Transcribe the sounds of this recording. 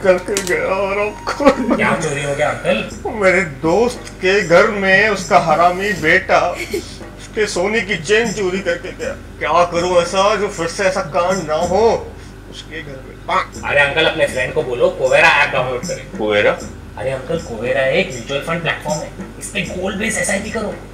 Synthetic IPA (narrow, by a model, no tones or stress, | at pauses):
kɐɾkeɡɐjaɔɾaːpkokjaːt͡ʃoːɾiɦoːɡjaɐ̃ŋkəlmeːɾed̪oːst̪keɡʱɐɾmẽʊskaɦaːɾaːmibeːʈa | ʊskesoːnikit͡ʃẽːnd͡ʒt͡ʃuːɾikɐɾkeɡɐja̰ | kjaːkɐɾũɛːsad͡ʒoːfɪɾseɛːsakãːmnaɦoː | ʊskeɡʱɐɾmḛ̃aɐ̰ɾeɐ̃ŋkəlɐpnefɾɛ̃ːɳɖkoboːlokoːʋeːɾaɛ̰ːp̚ɡaːmoʈkɐɾḛ̃ːkoːʋeːɾa | ɐ̰ɾeɐ̃ŋkəlkoːʋeːɾaɦɛeːkmjuːt͡ʃuəlfɾɐ̃ɳɖ̚plɛ̰ːʈfɔːɾmɛːɪskẽɡoːlbeːsɛːsaibikɐɾoː